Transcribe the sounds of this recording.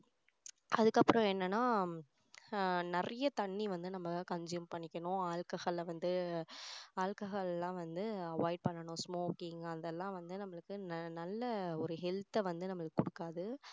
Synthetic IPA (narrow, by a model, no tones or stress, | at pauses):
ɐðɯkːɐpːɯɾɔ̃ɛnːɐnːaː | nɐɾɐjɐt̪ɐɳːiʋɐnd̪ɯnɐmːɐkɐɲd͡ʒɪjɐmpɐɳːɪkʲːɐɳʊ̃aːɭkɐɣɐɭʋɐnd̪ɯ | aːɻkɐɣɐɭɛlːãːʋɐnd̪ɯɐʋaːɪɖ̚pɐɳːɐɳʊ̃smoːkɪŋɐðɛlːãːʋɐnd̪ɯnɐmːɐɭɯkːɯnnɐlːɐɔɾɯɦɛlt̪ːɛʋɐnd̪ɯnɐmːɐɭɯkːɯ̥kːʊɽɯkːaːðɯ